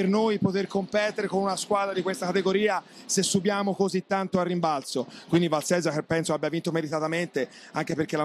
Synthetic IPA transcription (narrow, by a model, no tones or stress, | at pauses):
ernojpot̪erkompɛt̪ːeɾekonunaskwaːd̪ɾad̪ikwest̪akat̪eɡoɾiːa | sesːubjaːmokozit̪ːant̪oarːimbalsokwind̪ivalsɛzakepːɛnsoabjavint̪omeɾit̪at̪ament̪e | aŋk̟eperkːela